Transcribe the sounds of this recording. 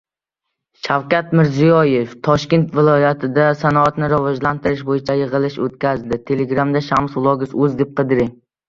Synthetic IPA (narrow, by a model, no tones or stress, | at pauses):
ʃawkʲat̪mɪɾzijɒjeft̪ʰɒʃkʲe̞nt̪vɪlˠɒjat̪ʰɪd̪asanɒːt̪nɪɾavɒd͡ʒlant̪ʰɪɾɪʃbojɪt͡ʃʰajɨʁɨlˠɪʃot̪̚kʲazd̪ɪt̪ʰe̞leɡɾamd̪aʃamslˠɒɡʲɪsɵzd̪ɪp̚qʰɨd̪ɪɾɪŋ